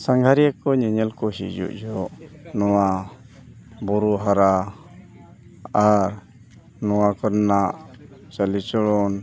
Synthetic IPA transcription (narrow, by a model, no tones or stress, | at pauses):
saŋɡʱaɾiakɔɲɛɲɛlkɔɦḭd͡ʒṵʔd͡ʒɔʔnɔwa | bɔɾuɦaɾa | aɾ | nɔwakɔɾnaʔt͡ʃalit͡ʃɔɽɔn